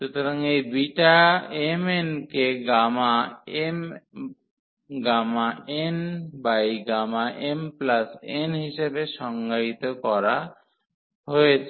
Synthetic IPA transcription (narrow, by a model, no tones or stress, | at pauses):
ʃut̪oɾaŋejbiʈaemenkeɡamaem | ɡamaenbajɡamaʔemplasenɦiʃebeʃɔŋɡait̪okɔɾa | ɦojet͡ɕʰ